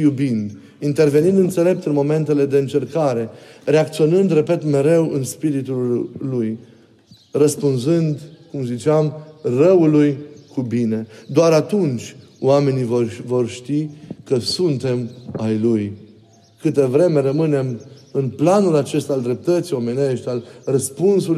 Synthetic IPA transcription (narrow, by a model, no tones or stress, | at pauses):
jubind̪ | int̪e̞rve̞nind̪ɨnt̪se̞le̞p̚t̪ɨnmo̞me̞nt̪e̞le̞d̪e̞ɨnt͡ʃe̞rkaɾe̞re̞akt̪sio̞nɨnd̪repe̞t̪me̞ɾe̞wʔɨnspiɾit̪ulːuj | rəspunzɨnd̪kumzit͡ʃeamrəulujkubine̞d̪oaɾat̪unt͡ʃʲ | oame̞nivorvo̞rʃt̪ikəsunt̪e̞majluj | kɨt̪evɾe̞me̞ɾəmɨne̞mɨnplanulat͡ʃe̞st̪ald̪ɾe̞p̚t̪ət̪sijo̞me̞ne̞ʃt̪ʲalrəspunsul